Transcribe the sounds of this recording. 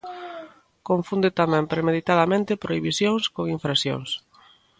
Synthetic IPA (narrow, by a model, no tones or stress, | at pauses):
koɱfund̪et̪amɛ̃mpɾemeð̞it̪aðamẽnt̪ɪpɾoiβisjoŋskoŋiɱfɾasjo̰ŋs